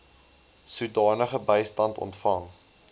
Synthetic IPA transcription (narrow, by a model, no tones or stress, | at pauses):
sudɑːnəχəbəjstɐntɔ̰ntfɐŋ